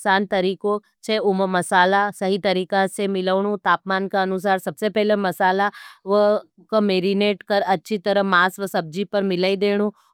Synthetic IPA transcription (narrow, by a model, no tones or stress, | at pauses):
saːnt̪ɐɾiːko | t͡ʃʰeʊmmɐsaːlasɐɦit̪ɐɾiːkãsemɪləːɽ̃ũt̪aːpmaːnkaɐnʊs̬aːɾsɐbsepɛɦlemɐsaːlaʋə | komeːɾineːʈkɐɾɐtːʃʰit̪ɐɾəmaːsʋəsɐb̚d͡ʒipɐɾmɪlaːid̪eːɽ̃u